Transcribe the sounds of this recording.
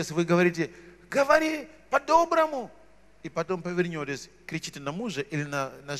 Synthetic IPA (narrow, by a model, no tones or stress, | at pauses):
esʲʋɨɡɐʋɐɾʲit̬ʲe | ɡɐʋɐɾʲipɐd̪obɾɐmu | ipɐt̪o̞mpɐʋʲɪrnʲotʲesʲ | kɾʲɪt͡ʃitʲɪnɐmuʐɐʔilʲɪnɐnɐ